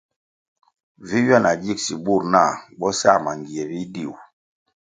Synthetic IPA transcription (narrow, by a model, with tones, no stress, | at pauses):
vi˦ɥa˦˨na˨d͡ʒi˦˨ksi˨bu˦˨ɾna˦˨ɓɔ˦sa˦˨ma˨ŋɡi˨e˨bi˦di˦˨w